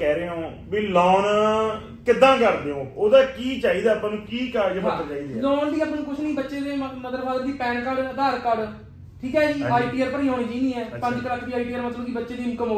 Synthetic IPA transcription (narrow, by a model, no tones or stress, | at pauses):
kɛːɾeːõː | biːlɔːn | kɪd̪ãːkəɾd̪eːõːoːd̪aːkiːt͡ʃaːiːd̪aːpãːnũːkiːkəd͡ʒeəəɾt͡ʃaːiːd̪aːlɔːnd̪iːəpnnũːkʊt͡ʃʰnĩːbətːʃeːd̪eːnəzəɾbʰaːd̪əɾd̪iːpɛ̃ːɳkəɽd̪əɾkəɽ | ʈʰiːkɛːd͡ʒiːaːiʈiːaːɾpəɾiːoːniːd͡ʒainiːɛːpə̃ɲd͡ʒkələkʰːb̪iːaːiʈiːaːɾmət̪lə̃kiːbətːʃeːd̪iːmʊkəmo